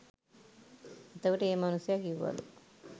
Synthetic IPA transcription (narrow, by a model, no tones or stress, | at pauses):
ɐt̪ːɐʋiʈeeːmɐnusjaːɡiʋːɐ̰lṵ